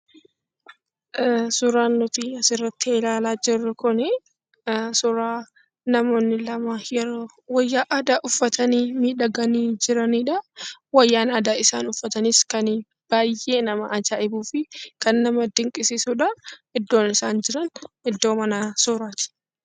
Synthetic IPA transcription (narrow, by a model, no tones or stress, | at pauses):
sʊɾaːnːʊt̪iɐsɪrːɐt̪ːɪeːlaːlaːd͡ʒɪrːɐkʊnɛ | sʊɾaː | nɐmo̞ːnːɪlɐmɐjɛɾoː | wɐjːaːʔɐd̪aːʔʊfːɐt̪ɐniːmiːᶑɐɡɐniːd͡ʒɪɾɐniːᶑɐwɐjːaːnɐd̪aːɪsaːnʊfːɐt̪ɐnɪskɐn | b̥aːjʔe̞ːnɐmɐʔɐd͡ʒaːɪbuːfɪkɐnːɐmɐd̪ɪŋkʼɪsɪsuːᶑɐɪd̪ːo̞ːnɪsaːnd͡ʒɪɾɐnɪd̪ːo̞ːmɐnasʊɾaːt̪ɪ̥